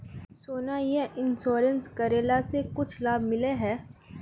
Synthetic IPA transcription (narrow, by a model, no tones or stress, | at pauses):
soːnajeɦʔɪnsoːɾə̃nskɐɾeːlasekʊt͡ʃʰlaːbmɪleɦɛː